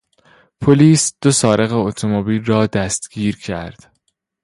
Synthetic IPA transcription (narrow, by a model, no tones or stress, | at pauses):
pʰoliːsd̪̥o̞sɒːɾe̞ɣeot̪ʰomobiːlrɒːd̪æst̪ɡ̥iːɾcʰæɾd̪̥